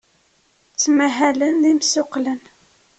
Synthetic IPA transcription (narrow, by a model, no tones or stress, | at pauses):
t͡sːmæɦælənðimsʊqlən